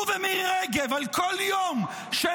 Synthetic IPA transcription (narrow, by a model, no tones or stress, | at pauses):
vɛmiʁɛɡevalkoljom | ʃe